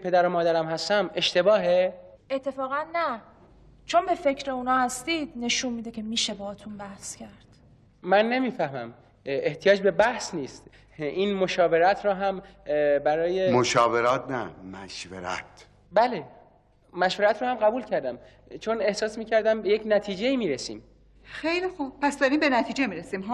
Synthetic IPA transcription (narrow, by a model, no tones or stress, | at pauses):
pʰe̞d̪æɾomɒːd̪æɾæmhæst̪æmʔe̞ʃt̪e̞bɒːɦeet̪ʰːe̞fɒːɣænːæ | t͡ʃʰonbe̞fe̞cɾeunɒːhæst̪iːd̪̥̚ne̞ʃunmiːd̪ecʰe̞miːʃebɒːɒːt̪ʰunbæhscʰæɾd̪̥ | mænːe̞miːfæhmæm | eht̪ʰijɒːd͡ʒbe̞bæhsniːst̪ | iːnmoʃɒːve̞ɾæt̪ʰɾɒːɦæmbæɾɒːjemoʃɒːveɾɒːt̪̚ʰnæ̰mæʃvḛɾæ̰t̪ | bæle | mæʃveɾæt̪ʰɾɔːhæmɢæbuːlcʰæɾd̪æm | t͡ʃʰone̞hsɒːsmiːcʰæɾd̪æmbeje̞cnæt̪ʰiːd͡ʒe̞iːmiːɾesḭːm | xejlixub̚pæsd̪ɒɾimbenæt̪ʰiːd͡ʒemiɾesiːmɦ